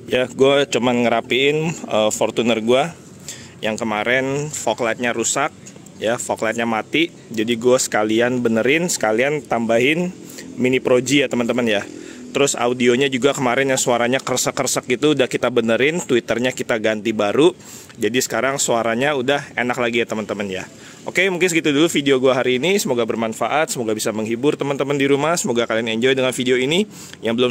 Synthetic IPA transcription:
jaɡuat͡ʃumanŋəɾapiɪnəfort̪unərɡua | jaŋkəmaɾɛnfoklat̪̚ɲaɾusak̚ | jafoklajt̪̚ɲamat̪i | d͡ʒadiɡuasə̥kalianbənəɾɪnsə̥kaliant̪ambaɦɪn | minipɾod͡ʒijat̪əmənt̪əmənjat̪əɾʊsa̰udioɲad͡ʒuɡakəmaɾɪnjaŋsoaɾaɲakərsəkːərsək̚ɡit̪uːdahkit̪abənəɾɪnt̪uit̪ərɲakit̪aɡant̪ibaɾu | d͡ʒadisə̥kaɾaŋsoaɾaɲaudahḛnak̚laɡijat̪əmənt̪əmənja̰ | ʔo̰kemuŋkɪnsəɡit̪udulufidioɡuaɦaɾiːnisəmoɡabərmanfaʔat̪̚səmoɡabisaməŋɦibʊrt̪əmənt̪əməndiɾumasəmoɡakalianɛɲd͡ʒɔjdəŋanfidioini | jaŋbəlʊ

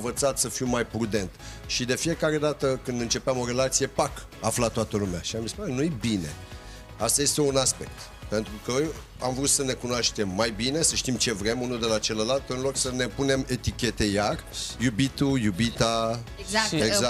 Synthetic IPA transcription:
vət̪sat̪səfiwmajpɾud̪e̞nt̪ | ʃid̪e̞fije̞kaɾe̞d̪at̪əkɨnd̪ɨnt͡ʃe̞peamo̞ɾe̞lat̪sije̞pak | aflat̪oat̪əlumeaʃiambispunenujebine̞̰ | ast̪aje̞st̪e̞unaspe̞k̚t̪ | pe̞nt̪ɾukə | amvɾut̪səne̞kunoaʃt̪e̞mːajbine̞səʃt̪imt͡ʃe̞vɾe̞munud̪e̞lat͡ʃe̞ləlalt̪ɨnlo̞ksəne̞pune̞me̞t̪ikʲe̞t̪e̞jarjubit̪ujubit̪a | aeɡza

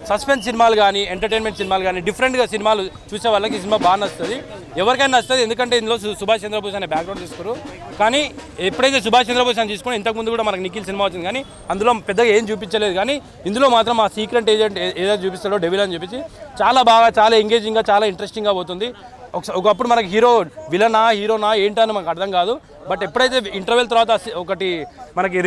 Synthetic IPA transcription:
sɐspeɳss̬inimaːluɡaːnieɳʈɐɾʈeːnmeɳʈsinimaːluɡaːniɖipʰɐɾeɳʈɡasinimaːlut͡ʃuːseːʋaːɭːɐkiːs̬inimaːbaːɾnɐst̪ud̪i | ɛʋɐɾikɐjnɐst̪ud̪iend̪ukɐɳʈe̞ːind̪ulo̞ːsubʱaːt͡ʃend̪ɾɐbʱuːʃaːnebjaːkɡɾɐwɳt̪iːskuɾu | kaːniːepːuɽejt̪̬e̞ːs̬ubʱaːt͡ʃend̪ɾɐbʱuːʃ̬aːnt̪iːsu̥kunint̪ɐkimund̪ukuːɽaːmɐnɐk̬unik̬ːils̬inimaːut͡ʃːind̪ikaːni | ɐnd̪ulo̞ːpɛd̪ːɐɡaːe̞ːmt͡ʃuːp̬iɲt͡ʃɐleːd̪ukaːni | ind̪ulo̞ːmaːt̪ɾɐmːaːsiːkɾeɳʈeːd͡ʒeɳʈeːd̪ɐjt̪ɐt͡ʃuːpist̪aːɽo̞ːɖeʋilɐnit͡ʃep̬ːit͡ʃːit͡ʃaːlaːbaːɡaːt͡ʃaːlaːiŋɡe̞ːd͡ʒiŋɡaːt͡ʃaːlaːiɳʈɐɾesʈiŋɡaːboːt̪und̪i | ɔkɔkɐpːuɽumɐnɐk̬uɦiːɾo̞ːʋilɐnaːɦiːɾo̞ːnaːeːɳʈiɐnimɐnɐkɐɽd̪ɐŋkaːd̪u | bɐʈepːuɽɐjt̪e̞ːiɳʈɐɾʋelt̪ɐɾʋaːt̪̬ɐsɔkɐʈimɐnɐk̬i

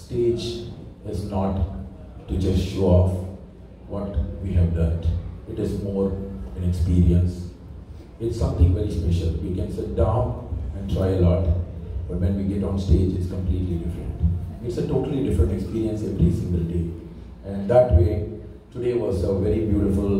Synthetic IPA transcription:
sʈeːd͡ʒɪznɔːʈː | ud͡ʒʌsʈʃoːɔf | ʋɔʈʋiːɦɛʋlə̃ːɾnʈɪʈɪzmɔːɾɛ̃nɛkspiːɾiə̃ns | ɪʈsːʌ̃mt̪ʰɪ̃ŋʋɛɾispɛʃəlʋikɛ̃nsɪʈ̚dãʊ̃nɛ̃nɖʈʰɾaɪəlɔːʈb̥ʌʈ̚ʋɛ̃nʋiɡɛʈɔ̃nsʈeːd͡ʒɪʈskə̃mpliːʈliɖɪfɾə̰̃ɳʈɪʈsəʈoːʈəliɖɪfɾə̃ɳʈekspiːɾiə̃nsɛʋɾisɪ̃ŋɡəlɖeː | ɛ̃nɖd̪æʈweː | ʈuɖeːʋɔzəʋɛɾibjuːɾɪfʊl

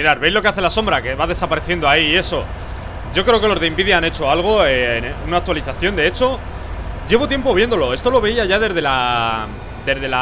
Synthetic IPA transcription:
iɾaɾβe̞jzlo̞ke̞aθe̞laso̞mbɾake̞βaðe̞sapaɾe̞θje̞nd̪o̞aiːe̞so̞ | ɟ͡ʝo̞kɾe̞o̞ke̞lo̞zðe̞imbiðjaane̞t͡ʃo̞alɣ̞o̞enunak̚t̪waliθaθjo̞nd̪e̞e̞t͡ʃo̞ | ɟ͡ʝe̞βo̞t̪je̞mpo̞β̞je̞nd̪o̞lo̞e̞st̪o̞lo̞βe̞iaʝaðe̞zðe̞la | d̪e̞zðe̞la

